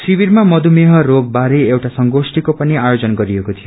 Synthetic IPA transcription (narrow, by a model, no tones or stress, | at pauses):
sibiɾmamʌd̪ʱumeɦʌɾoɡ̚baɾeewʈasʌŋɡosʈikopʌniajod͡zʌnɡʌɾiekot̪ʰijo